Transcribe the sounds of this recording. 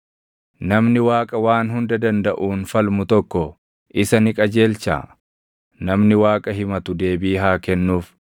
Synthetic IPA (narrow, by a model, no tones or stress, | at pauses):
nɐmnɪwaːkʼɐwaːnhʊnd̪ɐd̪ɐnd̪ɐʔuːnfɐlmʊt̪ɔkːɔ | ʔɪsɐnɪkʼɐd͡ʒe̞ːlt͡ʃa̰ː | nɐmnɪwaːkʼɐɦɪmɐt̪ʊd̪e̞ːbiːɦaːkɛnːuːf